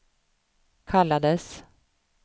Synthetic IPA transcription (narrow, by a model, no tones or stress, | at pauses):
kʰalːad̪əs